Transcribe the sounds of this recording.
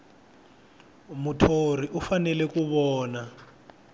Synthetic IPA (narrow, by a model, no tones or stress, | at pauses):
mutʰor̤iʔufanɛlɛkuβɔːna